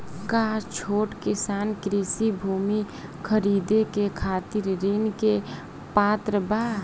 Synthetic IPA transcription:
kat͡ʃʰoːʈkɪsaːnkɾisibʱuːmi | kʰəɾiːd̪ekekʰaːt̪iɾːinke | paːt̪ɾəbaː

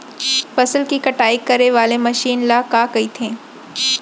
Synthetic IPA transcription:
fɐsəlkikɐʈaːikːɐɾeʋaːlemɐʃiːnlaːkaːkɐit̪ʰẽː

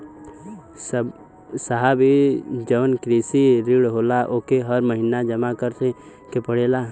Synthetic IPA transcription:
s | saɦabʱid͡ʒəʋənkɾisiɾiɽɦolaʔokeɦəɾməɦinad͡ʒəmakəɾt̪ʰe | kepəɽeːla

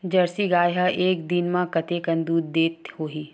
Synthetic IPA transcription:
d͡ʒɐɾsiɡaːjɦɐʔeːk̚d̪ɪnmãkɐt̪ekɐ̃nd̪uːd̪̚ːeːt̪hoːɦiː

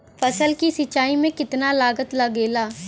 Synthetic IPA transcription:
fɐsəlkisɪt͡ʃːaːimẽkɪt̪nalaːɡət̪lɐɡeːlaː

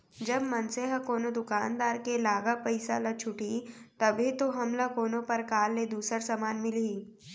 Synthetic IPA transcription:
d͡ʒɐbmɐnseɦkoːnod̪ʊkaːnd̪aːɾkelaːɡapɐɪsa̰lɐt͡ʃʰʊʈit̪ɐbʱit̪oɦɐmlakoːnõpɐɾkaːlːed̪uːsəɾsamaːnmɪlii

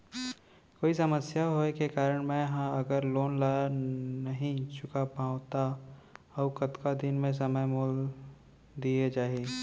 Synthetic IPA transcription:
koːisɐməsjaɦoekekaːɾəɽ̃mẽɦãɐɡəɾloːnlaanɐɦĩt͡ʃʊkapãʊt̪a | ɔːkɐt̪kad̪ɪnmẽs̬ɐməjmoːl | d̪ied͡ʒaːɦieː

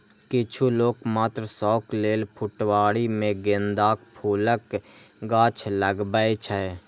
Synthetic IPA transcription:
kɪt͡ʃʰuloːkmaːt̪ɾsɔːkleːlpʰʊʈwaːɽimẽɡend̪aːk̚pʰuːləkɡaːt͡ʃʰləɡbəet͡ʃʰə

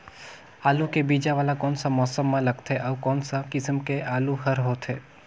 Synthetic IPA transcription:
aːlukebiːd͡ʒaʋaːlakɔːnsamɔːsəmːãləɡt̪ʰeʔɔʋkɔːnsakɪsəmkeʔaːluɦəɾɦoːt̪ʰɦeː

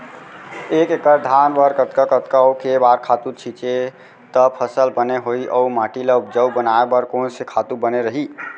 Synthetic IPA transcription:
ekekəɾd̪ʱanʋəɾkət̪kakət̪kaəukebaɾkʰat̪ut͡ʃʰit͡ʃe | t̪əpʰəsəlbəneɦoiʔəumaʈileup̚d͡ʒəwbənaebəɾkonsekʰat̪ubəneɾəɦi

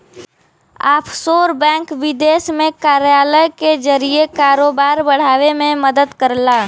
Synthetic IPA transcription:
aːpʰsoːɾbɛ̃ːŋkʋɪd̪eːsmẽkaːɾjaːləjkezəɾiekaːɾoːbaːɾbəɽ̤aːʋemẽməd̪əd̪kəɾlaː

